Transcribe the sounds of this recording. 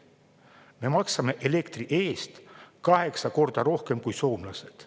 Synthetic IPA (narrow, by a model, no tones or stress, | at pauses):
me̞mɑksɑme̞ʔele̞kt̪riʔe̞ːst̪kɑɦe̞ksɑko̞rd̪̥ɑɾo̞hke̞mkujso̞ːmlɑse̞d̪̥